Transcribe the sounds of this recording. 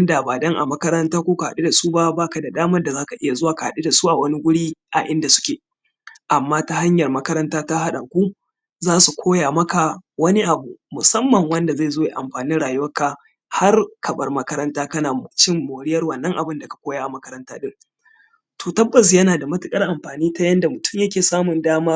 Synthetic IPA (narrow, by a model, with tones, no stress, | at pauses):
ɐ˦nda˨baː˨dɐ˦ŋʔa̰˨mɐ˦kɐ˦ɾɐ˦ntaː˦kʷoː˦ka˨ha˦ɗi˦da˨suː˦ba˦baː˦ka˨da˨daː˦mɐ˦rda˨zaː˦ka˨ʔɪ˦ja˨zʊ˦waː˨ka˨ha˨ɗi˦da˨suː˦ʔa˨wɐ˦ni˦ɡʷʊ˦ɽiː˦ʔa˨ʔɪ˦nda˨sʊ̥˦kʲeː˨ | ʔa˨mːaː˦ta˦ha˦ɲjɐ˨rmɐ˦kɐ˦ɾɐ˦ntaː˦ta˦ɦa˦ɗa˨kʷuː˦ | zaː˦su˨kʷʰoː˦jaː˨mɐ˦ka˨wɐ˦ni˦ʔa˨bu˦mʊ˨sɐ˦mːɐ˨ŋwɐ˦nda˨za˦˨zoː˦ja˨ʔa̰˨mɸaː˨niː˦nɽaː˨jʊ˦wɐ˦ka˨ | ha˦rkʰɐ˨bɐ˦rmɐ˦kɐ˦ɾɐ˦ntaː˦kɐ˦naː˨m˨t͡ʃɪ˦mːoː˨ɽɪ˦jɐ˦rwɐ˨nːɐ˦ŋʔa˨bɪ˦nda˨kḁ˨kʷoː˦ja˦ʔa˨mɐ˦kɐ˦ɾɐ˦ntaː˦ɗɪ˦ŋ | toː˨tɐ˦bːɐ˨s̬jɐ˦naː˨da˨mɐ˦tɪ˨kʼɐ˦rʔa˨mɸaː˨niː˦ta˦jɐ˦nda˨mʊ˨tʊ˦mjɐ˦kʲeː˨saː˦mʊ˨ndaː˦maː˦